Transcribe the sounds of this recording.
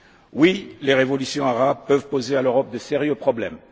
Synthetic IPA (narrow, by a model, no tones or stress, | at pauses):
wileʁevɔlysjɔ̃aʁabpœvpozealøʁɔp̚d̪əseʁjøpχɔblɛm